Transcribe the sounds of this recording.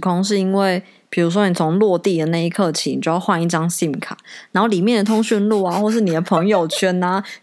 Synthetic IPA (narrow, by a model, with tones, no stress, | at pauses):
kʰʊ˥ŋʂ̬ɻ̩˥˩i˥nwe˥˩ɪ | pʰi˨˩ɻu˧˥ʂ̬wɔ˥ni˨˩t͡sʰʊ˧˦˥ŋlwɔ˥˧t̪i˥˩d̪ə˩na˥˧i˥kʰɤ˥˧˩t͡ɕʰi˨˥ni˨t͡ɕo˥˧jɑ˥˧xwa˥˧ni˥˩ʈ͡ʂɑ˥ŋɕi˥˩mkʰa̰˨˩˦na˧˥nxo˥˩ʊli˨˩mjɛ˥˩nd̪ə˩t̪ʰʊ˥ŋɕy˥˧nlu˥˩a˩xwɔ˥˧ʂɻ̩˥˩ni˨˩d̪ə˦pʰə˧˥ŋjo˨˩ʊt͡ɕʰɛ˥na˨